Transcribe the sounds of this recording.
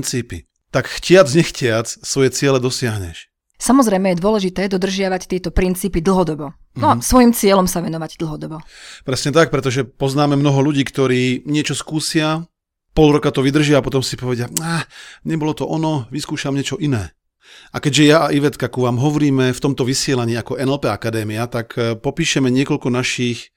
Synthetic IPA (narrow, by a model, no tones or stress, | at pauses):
nt͡siːpḭ | t̪akxcɪad͡zɲɛxcɪat͡ssʋɔjɛt͡sɪɛlɛd̪ɔsɪaɦɲɛ̰ʃ | samɔzɾɛjmɛjɛd̪ʊɔlɛʒit̪ɛːd̪ɔd̪r̩ʒɪaʋact̪ɪɛt̪ɔpɾint͡siːpid̪l̩ɦɔd̪ɔbɔ | nɔsʋɔjimt͡sɪɛlɔmsaʋɛnɔʋaɟd̪l̩ɦɔd̪ɔbɔpɾɛsɲɛt̪ak̚pɾɛt̪ɔʒɛpɔznaːmɛmnɔɦɔʎuɟiːkt̪ɔɾiːɲɪɛt͡ʃɔskuːsɪa | pɔlɾɔkat̪ɔʋid̪r̩ʒɪapɔt̪ɔmsipɔʋɛɟɪaaːɲɛbɔlɔt̪ɔʔɔnɔʋiskuːʃamɲɪɛt͡ʃɔʔinɛː | akɛɟʒɛjaaʔiʋɛt̪kakuʋaːmɦɔʋɔɾiːmɛft̪ɔmt̪ɔʋisɪɛlaɲiːakɔʔɛnɛlpɛakad̪ɛːmiat̪akpɔpiːʃɛmɛɲɪɛkɔʎkɔnaʃiːx